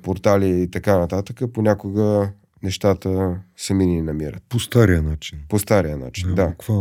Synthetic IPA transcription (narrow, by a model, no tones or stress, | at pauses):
poɾt̪aliit̪ɐkanɐt̪at̪əkəponʲakoɡə | nɛʃt̪at̪əsɛmininɐmiɾə̰t̪post̪aɾijənat͡ʃinpost̪aɾijəna̰t͡ʃind̪akva